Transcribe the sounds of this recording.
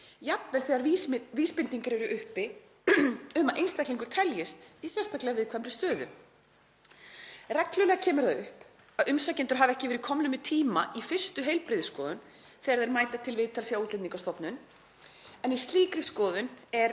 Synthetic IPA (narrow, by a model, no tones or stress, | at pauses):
japnɛl̥θɛːɣaɾviːspɪnt̪iŋkaɾɛɾʏʔʏhpɪ | ʏmaðʔejnst̪ahkliŋkʏɾ̥t̪ʰɛljɪst̪isjɛnst̪aklɛɣvɪðkʰvɛmɾʏst̪œːðʏ̰ | rɛklʏlɛɣacʰɛːmʏɾ̥θaðʏhp | aðʏmsacɪnt̪ʏɾ̥ɦavɛhcɪvɛɾɪkʰɔmnʏmɪt̪ʰiːmaʔifɪ̥st̪ʏɦeːjlpɾɪːðɪskɔːðʏn | θɛaɾðɛɾmaːjt̪at̪ʰɪlvɪðt̪ʰalsiauːt̪lɪmniŋkast̪ɔpnʏn | ɛnist̪liːkɾɪskɔːðʏnɛɾ